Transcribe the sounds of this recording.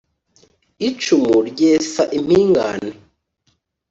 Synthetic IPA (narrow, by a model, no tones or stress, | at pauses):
it͡ʃumuɾɟeːsaʔim̥hiːŋɡa̰ne